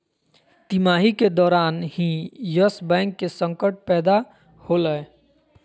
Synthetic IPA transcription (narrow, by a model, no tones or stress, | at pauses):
t̪imaːɦiked̪ɔːɾaːnɦĩjəsbɛ̃ːŋkːesə̃ŋkəʈ̚pɛːd̪a | holəe